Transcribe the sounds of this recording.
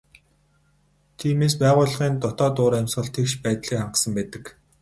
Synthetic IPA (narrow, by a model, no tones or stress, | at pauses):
t̪ʰiːmeːs̬pæːʁʊːɮʁiːnt̪ɔt̪ɔːt̪ʊːɾæmsχə̆ɮt̪ʰekʃpæːt̪ɮiːkχaɴɢə̆sə̆mpæːt̪ə̆k